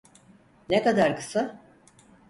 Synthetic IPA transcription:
nekad̪aɾkɯ̥sa

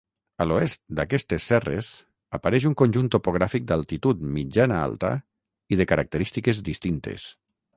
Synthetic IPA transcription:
əloɛst̪̚d̪akɛst̪esːɛrḛs | apaɾɛʃ̬uŋkonʲʒunt̪opoɣ̞ɾafik̚d̪alˠt̪it̪ut̪mid͡ʒanaa̰lˠt̪a̰ | iðekaɾak̚t̪əɾist̪ikezd̪ist̪int̪ḛs

